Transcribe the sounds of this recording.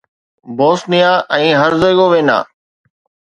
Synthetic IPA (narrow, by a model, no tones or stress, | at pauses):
boːsnɪjaːʔɛ̃ːɦəɾzəɡoːʋẽːna̰ː